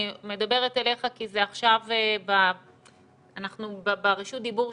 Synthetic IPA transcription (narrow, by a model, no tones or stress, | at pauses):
me̞dabe̞ʁet̪ele̞χakizeaχʃaveba | anaχnubabaʁiʃut̚d̪ibuʁ